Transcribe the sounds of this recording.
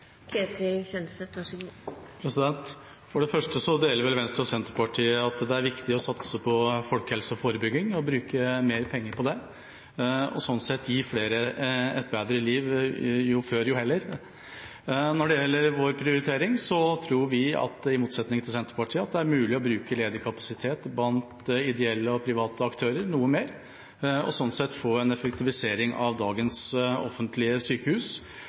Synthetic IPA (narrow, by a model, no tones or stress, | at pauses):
kʰeːt̪ɪçɛnsət̪ɑpʰɾɛsɪd̪ɛnt̪ | fɔɖɛfœʂʈəsɔd̪eːləɾʋɛlʋɛnst̪ɾɑsɛnt̪ɾəpɑʈʰiːəɑt̪d̪ɛæɾʋɪkt̪ɪɔsɑt̪səpʰɔfɔlkhɛlsəɔfoːɾəbʏɡːɪŋɔbɾʉːkəmeːɾpʰɛŋːəɾpɔd̪ɛ | ɔ̰sɔnːsɛt̪ːjiːfleːɾəɛt̪̚beːd̪ɾəliːʋjʊføːɾjʊhɛlːəɾ | nɔɖɛjɛlːəɾʋoːɾpʰɾɪʊɾɪt̪ʰeːɾɪŋsɔt̪ʰɾuːɾʋɪɑ̰t̪ɪmuːt̪sɛt̪nɪŋət̪ʰɪlsɛnt̪ɾəpɑʈʰiːəɑt̪̚d̪ɛæɾmʉːlɪɔbɾʉːkəleːd̪əɾkʰɑpɑsɪt̪ʰeːt̪blɑnt̪ɪd̪ɛɛlːəɔpʰɾɪʋɑːt̪əɑkt̪ʰøːɾəɾnuːəmeːɾ | ɔ̰sɔnːsɛt̪ːfoːɛnɛfəkt̪ʰɪʋɪseːɾɪŋɑʋd̪ɑːɡənsɔ̰fːənt̪lɪəsyːkəhʉːs